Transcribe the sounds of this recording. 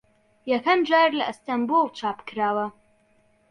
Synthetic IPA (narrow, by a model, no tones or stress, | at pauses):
jɐkʰɐmd͡ʒaːɾlɐʔst̪ambulˠt͡ʃʰaːpkɨɾaːwɐ